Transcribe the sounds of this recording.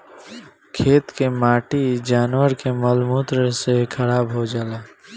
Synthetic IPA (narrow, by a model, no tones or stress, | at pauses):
kʰeːt̪kemaːʈid͡ʒaːnwəɾkeməlmuːt̪ɾəsekʰəɾaːbɦod͡ʒaːlaː